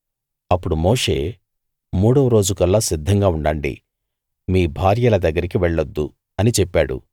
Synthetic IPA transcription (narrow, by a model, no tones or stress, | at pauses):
ɐpːuɽumo̞ːʂe̞̰ː | muːɽɐʋɐɾo̞ːd͡ʒukɐlːaːsid̪ʱːɐŋɡaːuɳɖɐɳɖḭ | miːbʱaːɾjɐlɐd̪ɐɡːɐɾikiʋɛɭːɐd̪ːu | ɐnit͡ʃɛpːaːɽṵ